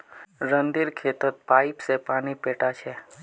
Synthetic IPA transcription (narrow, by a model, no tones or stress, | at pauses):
ɾənd̪iɾkʰeːt̪ət̪̚paːɪpsepaːnipeːʈat͡ʃʰɛ